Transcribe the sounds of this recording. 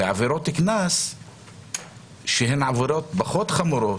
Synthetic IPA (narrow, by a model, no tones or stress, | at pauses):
eʕa̰veɾot̪ːiknas | ʃeɦenʕaveɾot̪̚baχot̪χamuɾo